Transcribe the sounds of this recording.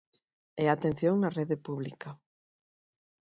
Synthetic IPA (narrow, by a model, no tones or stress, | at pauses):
ɛat̪ẽn̟θjoŋnareðepuβlika